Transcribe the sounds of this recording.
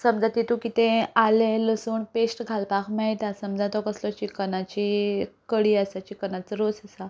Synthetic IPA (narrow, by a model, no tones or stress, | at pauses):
səmd͡zat̪it̪ukit̪ẽaleləsuːɳpesʈɡʱalpakʰmait̪asəmd͡zat̪ɔkəslɔt͡ɕikənat͡ɕikəɽiːasat͡ɕikənat͡səɾot͡səsa